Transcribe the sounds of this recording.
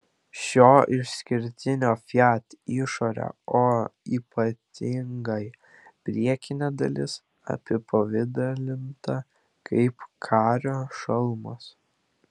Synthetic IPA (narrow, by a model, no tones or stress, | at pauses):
ʃʲoːʔɪʃsʲkʲɪɾʲt̪ʲɪnʲoːfʲjæːt̪ʲiʃoːɾʲɛ̰oːiːpɐt̪ʲʰɪŋɡɐɪ | pʲɾʲiɛkʲɪnʲɛːd̪ɐ̰lʲɪs | ɐ̰pʲɪpɐʋʲɪd̪ɐlʲɪnt̪ɐ | kʰɐɪpkʰɑːɾʲoːʃɐlˠmos